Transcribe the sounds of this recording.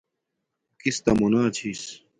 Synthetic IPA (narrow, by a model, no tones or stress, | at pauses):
kist̪ɐmonaːt͡ɕʰis